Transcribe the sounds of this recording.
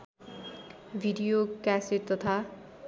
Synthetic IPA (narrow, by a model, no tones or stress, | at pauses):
bʱiɖijokæseɾt̪ʌt̪ʰa